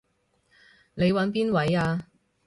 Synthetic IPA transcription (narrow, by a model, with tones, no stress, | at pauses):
ne˨˧jwɐ˨˥npiː˥nwɐ˨˥jaː˧